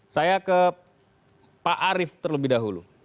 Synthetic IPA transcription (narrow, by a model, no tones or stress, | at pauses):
sajakə | paʔaɾɪft̪ərləbɪhdaɦulṵ